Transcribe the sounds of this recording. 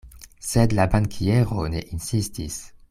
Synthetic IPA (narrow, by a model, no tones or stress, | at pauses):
sed̪labaŋkʰieʁoneʔinsistis